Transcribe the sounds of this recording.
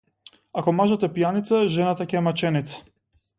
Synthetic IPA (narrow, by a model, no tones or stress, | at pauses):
akɔmaʒat̪ɛpijanit̪saʒɛnat̪acɛmat͡ʃɛnit̪sḁ